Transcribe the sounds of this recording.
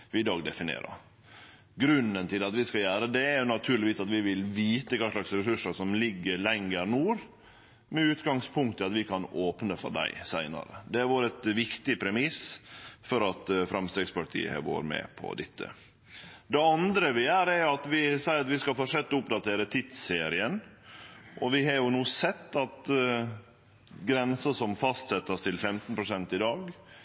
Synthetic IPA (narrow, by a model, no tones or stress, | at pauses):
ʋɪɪd̪ɑːɡd̪ɛfɪnḛːɾə̰ɾ | ɡɾʉnənt̪ʰɪlɑt̪ʋɪskɑjæːɾəd̪ɛæɾjʊnɑt̪ʰʉːɾɭɪʋiːsɑt̪ʋɪʋɪlʋiːt̪əkʰɑːʂlɑksɾɛsʉʂːəʂɔmlɪɡːəɾlɛŋːəɾnuːɾ | mɛʉːt̪ɡɑŋspʰʊŋkt̪ʰːəɑt̪ʋɪkʰɑnoːpnəfɔ̰ɖ̪æ̰ɪsæɪnɑ̰ɾə̰d̪ɛæɾʋoːɾəɛt̪ʋɪkt̪ɪpʰɾɛmɪsfɔɾɑt̪fɾɑmst̪ɾɛːɡspɑʈʰḭːə̰ɛ̰ʋo̰ːɾmɛ̰pʰɔ̰d̪ɛ̰t̪ʰːə̰ | d̪ɛɑnd̪ɾəʋɪæːɾæɾjʊɑt̪ʋɪsæɪəɾɑt̪ʋɪskɑlfɔʂɛt̪ːɔʊpd̪ɑt̪ʰeːɾət̪ʰɪt̪seːɾɪən | ʔɔʋɪɦɑɾjʊnuːsɛt̪ːɑt̪ | ɡɾɛnsəsɔmfɑst̪sɛt̪ːəst̪ʰɪlfɛmt̪n̩pʰɾʊsɛnt̪ɪd̪ɑːɡ